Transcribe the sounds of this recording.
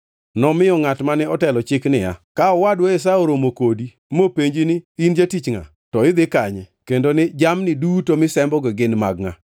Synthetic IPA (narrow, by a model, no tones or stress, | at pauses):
nɔmɪɔŋatmanɛɔtɛlɔt͡ʃɪknɪja̰kaɔwadwɔɪs̬aoɾomokodi | mopeɲd͡ʒɪnɪind͡ʒatit͡ʃŋa̰ | tɔɪd̪ɪkaɲɛkendonɪd͡ʒamnɪdutomɪsɛmbɔɡeɡɪnma̰ɡŋa̰